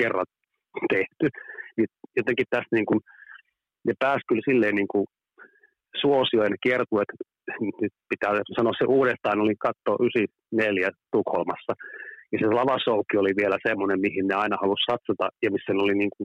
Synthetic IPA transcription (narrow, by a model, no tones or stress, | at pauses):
kerːɑ̰n | t̪eht̪ynijot̪eŋkit̪t̪æst̪niːŋkun | nepæːskylsilːeːniːŋku | suosioinekiert̪uet̪ | nyt̪pit̪æːsɑnoɑsseʔuːɾest̪ɑːnolikɑt̪ːoːʔysi | neljæt̪ukholmɑsːɑjɑselɑʋɑsoukːioliʋielæsemːonemmihinneɑinɑhɑlussɑt̪sɑt̪ɑ̰jɑmisːænoliniːŋkun